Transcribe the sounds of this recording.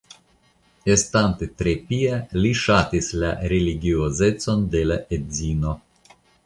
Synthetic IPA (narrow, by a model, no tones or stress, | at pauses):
est̪ant̪et̪ɾepialiʃat̪isla̰ɾeliɡioze̞t͡so̞nd̪e̞laʔedzino̞